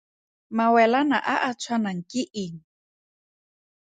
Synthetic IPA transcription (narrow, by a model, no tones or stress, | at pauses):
mawɛlanaʔaʔat͡sʷʰwanaŋkiʔiŋ